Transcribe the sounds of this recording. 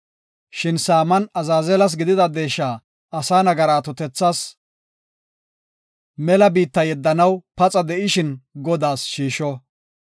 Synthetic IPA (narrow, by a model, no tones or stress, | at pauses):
ʃɪnsaːmɐnɐzaːzɛlɐs̬ɡɪd̪ɪd̪ɐd̪e̞ːʃːaː | ɐsaːnɐɡɐɾaːt̪ɔt̪ɛt͡sːaːs | mɛlɐbiːt̪ːɐjɛd̪ːɐnɐwpɐt͡sʼɐd̪ɛʔɪʃɪnɡɔd̪aːsʃiːʃɔ